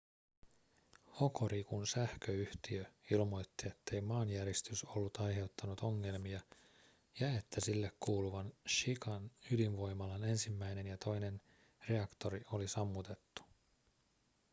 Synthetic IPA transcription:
ho̞ko̞ɾikunsæhkø̞yht̪iøilmo̞jt̪ːie̞t̪ːe̞jmɑːnjæɾist̪yso̞lːut̪ɑjɦe̞wt̪ːɑnut̪o̞ŋːe̞lmiɑ | jɑe̞t̪ːæsilːekkuːluʋɑnʃikɑnylinʋo̞jmɑlɑne̞nsimːæjne̞njɑt̪ʰo̞jne̞n | re̞ɑkt̪o̞ɾio̞lisɑmːut̪e̞t̪ːu̥

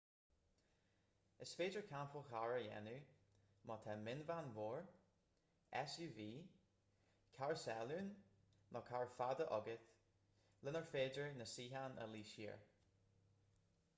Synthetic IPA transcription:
əsfeːd͡ʒəɹkʰampʰəxaɹəjɛ̰nu | mɔt̪ʰɛmɪnvanvoːɹ | ɛ̰sjuːviː | kʰaɹsɛluːn | mʔɔkʰaɹfad̪əʔɔɡəθ | lɪnəɹfeːd͡ʒəɹnəsiːɦanə̰liːʃḭːɹ

